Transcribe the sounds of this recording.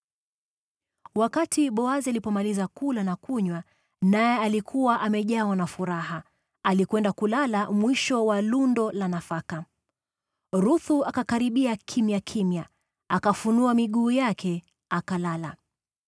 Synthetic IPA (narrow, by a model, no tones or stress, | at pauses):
wakatiɓɔazialipɔmalizakulanakuɲwa | najɛalikʰuwaʔamɛʄawanafuɾaɦa | alikwɛndakulalamwiʃɔwalundɔlanafaka | ɾuθuakakaɾiɓiakʰimjakʰimja | akafunuamiɠuːjakʰɛ | akalala